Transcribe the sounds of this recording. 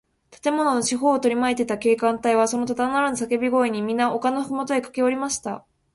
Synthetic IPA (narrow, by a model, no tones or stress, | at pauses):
t̪ḁt̪e̞mo̞no̞no̞ɕiɦo̞ːt̪o̞ɾʲimaet̪e̞t̪ake̞ːkãnt̪aiβaso̞no̞t̪ad̪anaɾanos̬ake̞bʲiɡo̞iɲ̟imʲĩnːaʔo̞kanoɸɯmot̪o̞ekḁke̞oɾʲimaɕi̥t̪a